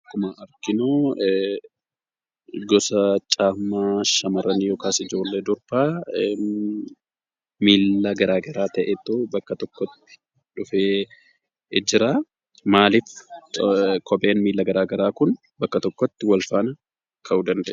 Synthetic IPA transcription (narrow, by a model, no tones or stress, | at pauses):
kːʊmaʔɐɾkɪnoː | ɡɔsɐt͡ʃʼaːmaːʃɐmɐrːɐnijɔːkaːsɪd͡ʒo̞ːlːeːd̪ʊɾb̥aː | miːlːɐɡɐɾaːɡɐɾaːt̪ɐʔet̪ːoːbɐkːɐt̪ɔkːɔt̪ːɪ̥ | ᶑʊfeː | d͡ʒɪɾaː | maːlɪf | kʰɔbe̞ːnmiːlːɐɡɐɾaːɡɐɾaːkʊn | bɐkːɐt̪ɔkːɔt̪ːɪwɐlfaːnɐ | kʰɐʔuːd̪ɐnd̪ɛʔ